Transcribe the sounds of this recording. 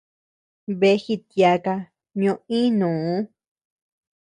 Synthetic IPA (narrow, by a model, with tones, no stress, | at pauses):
βe˧˦xi˧t̪ja˧ka˧ | ɲõ˧ĩ˦nũː˨˦